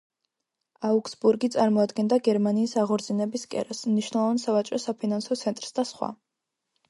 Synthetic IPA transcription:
auksbuɾɡit̪sʼaɾmɔad̪ɡɛnd̪aɡɛɾmaniːsaʁɔɾzinɛbiskʼɛ̰ɾɛsmniʃwnɛlˠɔvansavat͡ʃʼɾɔsapʰinansɔt̪sʰɛnt̪ʼɾsd̪asχwa̰

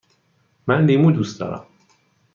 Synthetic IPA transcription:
mænliːmuːd̪ust̪ɒ̰ːɾæ̰m

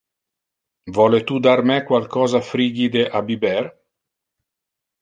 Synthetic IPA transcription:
vɔlet̪ud̪aɾmɛkwalkɔːzafɾiːɡid̪eʔabibɛr

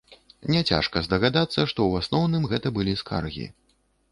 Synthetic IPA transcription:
nʲɛt͡sʲa̰ʂkɐzd̪ɐɣad̪at̪sːɐʂt̪ɔwasnɔwnɨmɣɛt̪ɐbɨlʲiskʰa̰rɣʲḭ

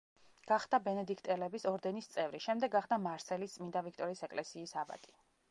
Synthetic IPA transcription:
ɡ̥aχd̪abɛnɛd̪ikʰt̪ʼɛlɛbisɔɾd̪ɛnist̪sʼɛvɾiʃɛmd̪ɛɡːaχd̪amaɾsɛlist̪sʼmind̪avikʰt̪ʼɔɾiːsɛkʼlɛsiːsaba̰t̪ʼi̥

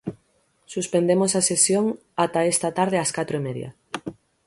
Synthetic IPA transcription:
suspend̪emosasesjoŋ | at̪aest̪ɐt̪aɾð̞ɪaskat̪ɾoemeðj̰ɐ̰

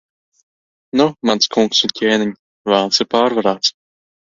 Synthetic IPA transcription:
numanskʰuŋksʊncʲʰeːnɪɲʲ | vaːnsɪɾpaːɾvaɾaːt̪s

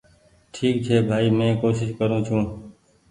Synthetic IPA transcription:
ʈʰiːk̚t͡ʃʰeːbʱaːiːmẽːkoːʃɪʃkəɾũːt͡ʃʰũː

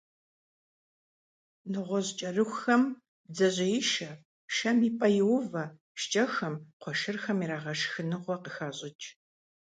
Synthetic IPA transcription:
nɨʁʷɔʑt͡ʃʼɐrɨxʷxɐm | bzɐʑʼɪjɪʃɐ | ʃɐmiːpʼɐjɪwvɐ | ʃt͡ʃʼɐxɐmqʷʰɔʃɨrxɐmiɾaːʁɐʂxɨnɨʁʷɔqəxaːɕʼɪt͡ʃʼ

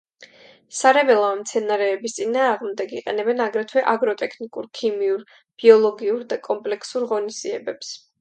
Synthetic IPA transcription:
saɾɛbɛlˠaɛmt̪sʰɛnaɾɛːbist̪sʼinaːʁmd̪ɛɡiqʼɛ̰nɛbɛnaɡɾɛt̪ʰwɛʔaɡɾɔt̪ʼɛkʰnikʼuɾkʰimiuɾ | b̥iɔlˠɔɡiuɾd̪akʼɔmpʼlɛkʰsuɾʁɔnisd̪iɛbɛps

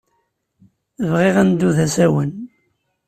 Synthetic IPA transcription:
vʁiʁænd̪uðæsæwən

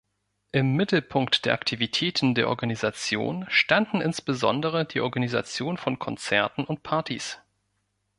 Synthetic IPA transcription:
ʔɪmːɪtl̩pʰʊŋktd̥eːɐʔaktʰivitʰɛːtn̩deːɐʔɔ̰ɐɡanizat͡sjo̰ːnʃtandn̩ʔɪnsb̥əzɔ̰ndəʁ̞ədiːʔɔɐɡaniza̰t͡sjoːnfɔnkʰɔnt͡sɛɐtn̩ʊnt̚pʰaɐtḭs

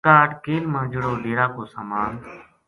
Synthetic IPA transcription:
t̪aːʈkeːlmãːd͡ʒəɽoːɖeːɾaːkoːsaːmaːn

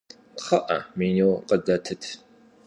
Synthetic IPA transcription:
χɐʔɐ̰miːniwqədɐtʰɨtʰ

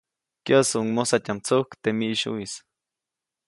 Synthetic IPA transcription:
kjasuuŋmosat̪ʲamt͡sohkt̪emiʔʃṵis

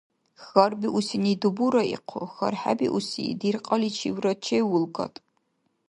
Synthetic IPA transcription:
xɐrbiʔusinidubuɾɐḭqʰoxɐ̰rħa̰bḭʔusḭːdirqʼɐlit͡ʃʰḭwrɐt͡ʃʰejwʊlɡɐ̰tʼ

